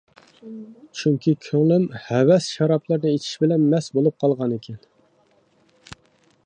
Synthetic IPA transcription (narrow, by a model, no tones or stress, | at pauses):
t͡ʃʰyŋkʲikʲʰøŋlymhɛwɛsʃɑɾɑplˠɨɾnɨet͡ʃʰi̥ʃbɪlɛnmɛsbolˠup̚qʰɑlˠʁɑnekʲʰɛn